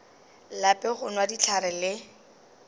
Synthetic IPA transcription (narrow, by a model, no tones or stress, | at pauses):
lapʼɛχʊnwadit͡ɬʰaɾɛlɪ